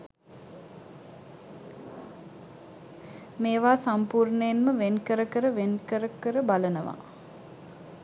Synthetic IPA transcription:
meːʋaːsampuːrɳəjenməʋenkəɾəkəɾəʋenkəɾəkəɾəbalənəʋa̰

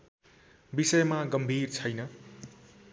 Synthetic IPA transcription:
bisʌjmaɡʌmbʱirt͡sʰʌjnʌ

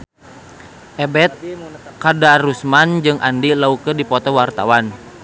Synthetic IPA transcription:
ʔɛbɛt̪̚kadaɾusmand͡ʒɨŋʔa̰ndilaukədipɔt̪ɔwart̪a̰wan

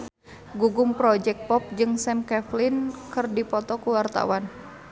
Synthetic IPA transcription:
ɡuɡʊŋpɾɔd͡ʒɛk̪̚pɔp̚d͡ʒɨŋsɛmkɛflinkɨrdipɔt̪ɔkuwart̪a̰wan

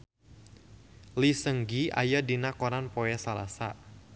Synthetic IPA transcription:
lisəŋɡia̰jadinakoɾanpɔɛsala̰sa̰

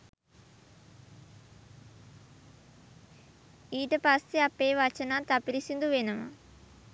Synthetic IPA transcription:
iːʈɐpɐst̪eɐpːeːʋɐt͡ʃɐnat̪ɐpiɾisind̪uʋenɐmɐ̰

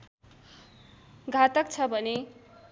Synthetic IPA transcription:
ɡʱat̪ʌk̚t͡sʰʌbʱʌne

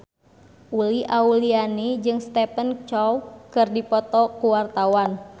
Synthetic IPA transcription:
ʔuliʔaulianid͡ʒɨŋst̪ɛpənt͡ʃɔwkɨrdipɔt̪ɔkuwart̪awan

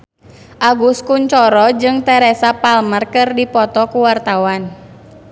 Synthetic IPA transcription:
ʔaɡuskuɲt͡ʃɔɾɔd͡ʒɨŋt̪ɛɾɛsapalmərkɨrdipɔt̪ɔkuwart̪awan

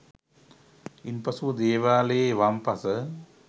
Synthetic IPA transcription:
ɪnpɐsuɐd̪eːʋaːleʋaːmpɐsɐ

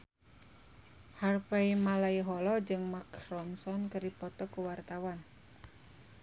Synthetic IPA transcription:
harfeimalaiɦɔlɔd͡ʒɨŋmakrɔnsɔnkɨɾipɔt̪ɔkuwart̪awan

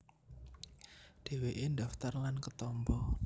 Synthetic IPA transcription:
d̪̥e̤weʔendaft̪arlankət̪ɔmbɔ

